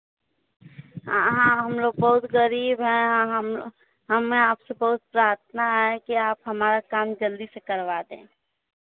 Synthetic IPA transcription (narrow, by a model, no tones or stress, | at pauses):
ɦãɦəmloːɡ̚bɐɦʊt̪ɣəɾiːbɦɛ̃ɦɦ | ɦəmẽaːpsebɐɦʊt̪̚pɾaːɾt̪ʰnaɦɛkiaːpɦɐmaːɾakaːmd͡ʒəld̪isekəɾʋaːd̪ḛ̃ː